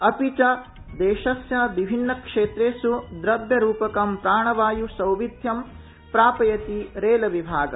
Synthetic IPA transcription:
ɐpit͡ʃɐ | d̪eːʃɐsjaʋibʱinːɐkʂeːt̪ɾeːsud̪ɾɐbʱjɐɾuːpɐkɐmpɾaːɳɐʋaːjusɐwʋid̪ʱjɐm | pɾaːpɐjɐt̪iɾeːlɐʋibʱaːɡɐ̰

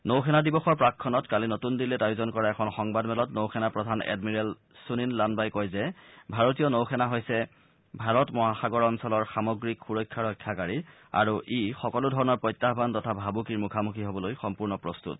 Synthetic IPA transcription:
nowkʰɛnadibɔxɔɹpɹakʰːɔnɔtkalinotundilɛtajuzɔnkɔɹaɛkʰɔnxɔŋbadmɛlɔtnowxʰɛnapɹɔdʱanɛ̰dmiɹɛl | suninlanbajkɔjzɛbʱaɹotijɔnowxʰɛnaɦojsɛ | bʱaɹɔtmɔɦaxaɡɔɹɔnsɔlɔɹxamɔɡɹikxuɹɔjkʰːaɹɔjkʰːjakaɹi | a̰ɹuʔixɔkɔlʊdʱɔɹɔnɔɹpɹɔjtːaɦbʱantɔtʰabʱabukiɹmukʰamukʰiɦobɔlojxɔmpuɹnɔpɹɔstṵt̚

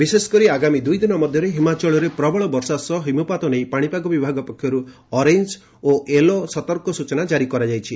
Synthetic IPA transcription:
bisesɔ̥kɔɾiaɡamid̪ujd̪inɔmɔd̪ʱjɔɾeɦimat͡ʃɔɭɔɾepɾɔbɔɭɔbɔɾsasɔɦimupat̪ɔnejpaɽ̃ipaɡɔbibʱaɡɔpɔkʰjɔɾu | ɔɾeɲd͡ʒ | oʔelosɔt̪ɔɾkɔsut͡ʃɔnad͡ʒaɾikɔɾad͡ʒajt͡ʃʰi

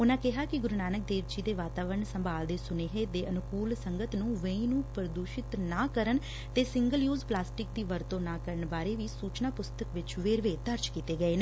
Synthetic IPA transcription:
ʊnãːkɪɦaːkɪɡʊɾnaːnək̚d̪eːɾd͡ʒiːd̪eːʋaːt̪aːʋəɾəɳsəmbaːld̪eːsʊneːɦeːd̪eːʔənʊkuːlsəŋɡət̪nũːʋə̃ĩːnũːpəɾd̪uːʃɪt̪naːkəɾən | t̪eːsɪŋɡəljuːzplaːsʈɪk̚d̪iːʋəɾt̪õːnaːkəɾəɳbaːɾeːʋiːsuːt͡ʃnaːpʊst̪əkʋɪt͡ʃʋeːɾʋeːd̪əɾt͡ʃkiːt̪eːɡəeːneː

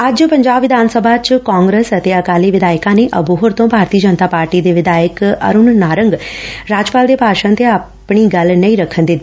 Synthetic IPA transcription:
əd͡ʒpəɲd͡ʒaːbʋɪd̪aːnsəbʱaːt͡ʃkaːŋɡɾəːsət̪eːəkaːliːʋɪd̪aːɪkãːneːʔəbuɦoːɾt̪õːbʱaːɾt̪iːəd͡ʒənt̪aːpaːɾʈiːd̪eːʋɪd̪aːjəkə̰ɾʊnnaːɾəŋɡɾaːd͡ʒpaːld̪eːpaːʃə̃nt̪ea | pɳiːɡəlnəĩːɾəkʰːənd̪it̪ːiː

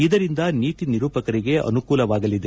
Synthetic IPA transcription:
id̪ɐɾind̪ɐniːt̪iniɾuːpɐkɐɾiɡe̞ʔɐ̰nukuːlɐʋaːɡɐlid̪e

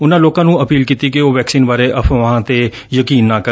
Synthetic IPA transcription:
ʊnãːloːkãːnũːəpiːlkiːt̪iːkɪoːʋɛːksiːnbaːɾeːʔəpʰʋɦãːt̪eː | jəkiːnːaːkə

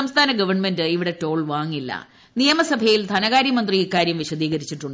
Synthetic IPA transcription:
ɐmst̪ʰaːnɐɡɐʋɐrɳme̞ndɨiʋiɽe̞to̞ːɭʋaːŋːilːɐ̰ | nijɐmɐsɐbʱɐjild̪ʰʱɐnɐɣaːɾjɐmɐnd̪riikːaːɾjɐmʋiɕɐd̪iːɣɐɾit͡ɕːiʈːuɳɖ

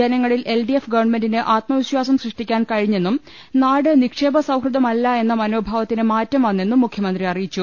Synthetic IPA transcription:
ɐnɐŋːɐɭilʔe̞lɖijefɡɐʋɐrɳme̞ndinɨʔaːt̪mɐʋiɕwaːsɐmsrɨʂʈikʲːaːnkɐɻiɲːe̞nːum | naːɽɨnikʂe̞ːbɐsɐwkrɨd̪ɐmɐlːɐe̞nːɐmɐno̞ːbʱaːʋɐt̪ːinɨmaːtːɐmʋɐnːe̞nːumːukʰjɐmɐnd̪riɐrijit͡ɕːu

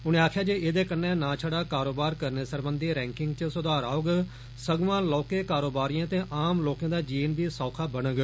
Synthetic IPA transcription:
ʊnẽːaːkʰjaːd͡ʒeːʔɪːd̪eːkənːɛːnãːt͡ʃʰəɽaːkaːɾoːbaːɾkəɾneːsəɾbənd̪iːɾɛ̃ːŋkɪŋɡt͡ʃəsʊd̪aːɾaːoɡ | səɡʋãːlɔːkeːkaːɾoːbaːɾijãːt̪ẽːʔaːmloːkãːd̪aːd͡ʒiːnbiːsɔːkʰaːbənəɡ

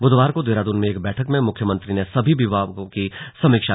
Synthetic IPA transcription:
bʊd̪ʱʋaːɾkod̪eːɾaːd̪unmẽeːk̚bɛːʈʰəkmẽmʊkʰjəmə̃nt̪ɾinesɐbʱibɪʋaːokisɐ̃mɪkʃa

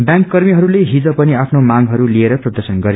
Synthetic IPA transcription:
bjãŋkːʌrmiɦʌɾuleɦid͡zʌpʌniapʰnomaɡɦʌɾulieɾʌprʌd̪ʌrsʌnɡʌɾi

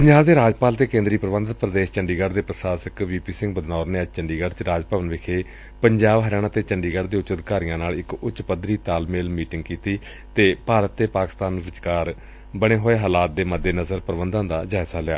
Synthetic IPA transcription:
pəɲd͡ʒaːbd̪eːɾaːd͡ʒpaːlt̪eːkẽːnd̪ɾiːpəɾəʋə̃nd̪t̪pɾəd̪eːʃt͡ʃəɳɖiːɡəɖd̪eːpɾəsaːsəkʋiːpiːsɪ̃ŋɡ̚bəd̪naːɾneːəd͡ʒt͡ʃəɳɖiːɡəɖt͡ʃɾaːd͡ʒpəːʋənʋɪkʰeː | pəɲd͡ʒaːbɦəɾɪjaːɽ̃nãːt̪eːt͡ʃəɳɖiːɡəɖd̪eːʊt͡ʃəd̪kaːɾijãːnaːlɪkʊtt͡ʃpəd̪ɾiːt̪aːlmeːlmiːʈɪŋɡ̚kiːt̪iː | t̪eːpaːɾət̪̚ːeːpaːkɪ̥st̪aːnʋɪt͡ʃkaːɾ | bəɽ̃eːɦoːeːɦaːlaːt̪̚d̪eːməd̪ːeːnəzəɾpəɾəʋənd̪ãːd̪aːd͡ʒaːɪsaːlɪja̰ː

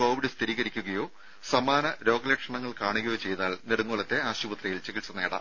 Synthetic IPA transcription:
oːbiɽest̪ʰiɾiːɣɐɾikʲːuɣɐjo̞ː | sɐmaːnɐɾo̞ːɡɐlekʂɐɳɐŋːɐɭkaːɳuɣɐjo̞ːt͡ɕe̞jt̪aːlneɽuŋːoːɭɐt̪ːe̞aːɕubɐt̪rɐjilt͡ɕeɣisɐne̞ːɽɐ̰

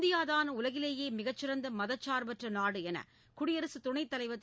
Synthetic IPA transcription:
d̪ɪjaːðaːnɐʊlɐɣɪleːjeːmɪɣɐt͡ʃːɪɾɐnd̪ɐmɐðɐt͡ʃːaːɾbɐʈrɐnaːɽɯɛnɐ̰ | kʊɽɪjɐɾɐsɯt̪ʊɳɐɪt̪ːɐlɐɪʋɐt̪ː

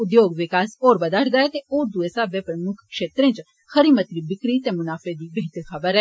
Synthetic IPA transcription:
ʊd̪joːɡʋɪkaːsoːɾbəd̪aːʈʰd̪aɛt̪eːoːɾd̪uesaːbeːpɾəmʊkʰkʃeːt̪ɾẽːt͡ʃ | xəɾiːmət̪ɾiːbɪkɾiːt̪eːmʊnaːfed̪iːbeɦɪt̪əɾxəbəɾɛ

